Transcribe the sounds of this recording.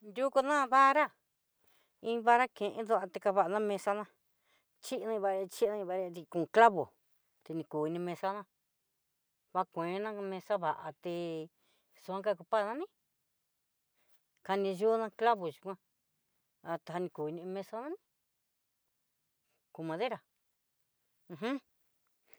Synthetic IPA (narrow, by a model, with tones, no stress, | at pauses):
nd̪ʲu˦ko˧nã˦˧βa˧ɾa˦ | ĩ˦βa˧ɾa˦kẽ˨ʔḛ̃˧˦ðu˧a˧t̪e˧ka˧βa˧˨˧nã˦mẽ˧sa˧nã˦ | t͡ʃi˦ʔnã˧ĩ˧βa˧˨˧ɾt͡ʃi˦˧nã˧ĩ˧βa˧ɾe˧ti˧kũ˨˧kla˦βo˨ | t̪e˧nĩ˧kuː˨i˧nĩ˧mẽ˧sa˧nã˦˧ | βa˧kʷẽ˨˦nã˦mẽ˧sa˦βa˨ʔa˧t̪e˧ | su˧ã˦ka˦˧ku˧pa˦˧nã˦nĩ˦ | ka˧nĩ˧ʒu˦nã˧kla˦βo˨ʒu̥˧kʷã˧ | a˧t̪a˧ɦa˧nĩ˧kuː˨˧nĩ˧mẽ˧sa˧nã˦nĩ˧ | ko˧mã˧ðe˦ɾa˨˧ | ɦ̩˦